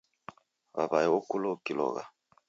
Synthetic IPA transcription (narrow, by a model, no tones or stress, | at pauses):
βaβajɛokulokilɔ̰ɣa̰